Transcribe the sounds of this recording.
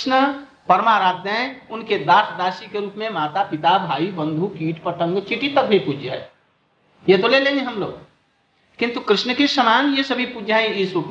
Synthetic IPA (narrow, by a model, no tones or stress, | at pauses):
nə | pɐɾmaːɾaːd̪ə̃ʊnked̪aːʈʰd̪aːʃikeɾuːpmẽmaːt̪apɪt̪abʱaːibə̃nd̪ʱukiːʈʰpəʈə̃ŋɡt͡ʃiʈit̪ək̚bʱipud͡ʒʱae | jet̪olelẽŋeɦɐmlo̰ːɡ | kɪ̃nt̪ukɾɪʃnəkeʃəmaːnjesəbʱipud͡ʒʱaẽɪsɾuːpmẽ